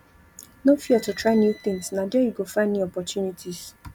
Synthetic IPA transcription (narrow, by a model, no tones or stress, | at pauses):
nofiatutɹaɪnjuθɪ̃ŋsnadɛjiɡofanːĩɔpɔtjunitʰis